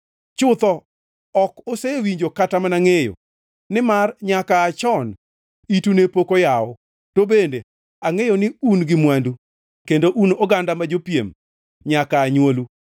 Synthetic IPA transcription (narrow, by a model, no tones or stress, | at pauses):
t͡ʃʊt̪ɔ | ɔkosewiɲd͡ʒokatamanaŋejo̰ | nɪmarɲakaːt͡ʃɔn | itunepokojaɔ | tobende | aŋejonɪunɡɪmwandu | kendoʔunoɡandamad͡ʒopiḛm | ɲakaːɲwolu